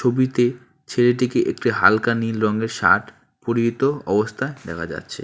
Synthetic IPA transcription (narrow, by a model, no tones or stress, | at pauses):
obit̪e | t͡ɕʰeɾeʈ̬ikeʔekʈiɦa̰lkanilɾɔŋɡeɾʃa̰ʈ | poɾiit̪oɔbost̪ʰaed̪ɛkʰad͡ʑa̰tːɕʰḛ